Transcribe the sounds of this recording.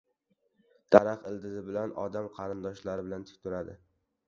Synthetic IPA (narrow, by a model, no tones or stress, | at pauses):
d̪̥ʰaɾɑqɪld̪ɪzɪbɪlanɒ̰d̪amqʰɑɾɪnd̪ɒʃlaɾɪbɪlant̪ʰɪ̥k̚ʲt̪ʰʊɾad̪ɪ